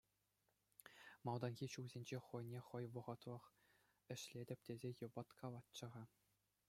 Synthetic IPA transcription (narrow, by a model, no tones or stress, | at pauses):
mɑlˠd̪ɑnɣʲiɕuwzʲenʲd͡ʑeχɤ̆jnʲeχɤ̆jʋɤ̆ʁɤ̆t̪lˠɤ̆χ | ɘ̆ɕlʲedʲɘ̆pʲtʲezʲejɤ̆bɑt̪kʰɑlˠɑt̪t͡ɕɤ̆ʁɑ